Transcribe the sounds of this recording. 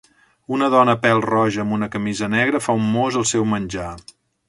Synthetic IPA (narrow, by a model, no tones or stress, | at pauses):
unəðɔnəpɛlˠrɔʒəːmunəkəmizənɛɣɾəfaumːozəlˠsɛwmənʲd͡ʒa